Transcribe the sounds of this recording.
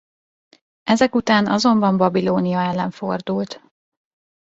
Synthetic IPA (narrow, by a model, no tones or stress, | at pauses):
ɛzɛkut̪aːnɒzo̞mbɒmbɒbiloːnijɒɛlːɛɱfo̞rd̪ult̪